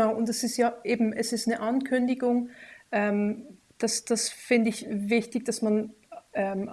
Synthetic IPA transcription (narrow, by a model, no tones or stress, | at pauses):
aʊʔʊntɛsɪstjaːʔeːbm̩ʔɛsɪstnəʔankʰʏndɪɡʊŋʔɛːm | d̥asd̥asfɪndəɪçvɪçtɪçd̥asmanʔɛːm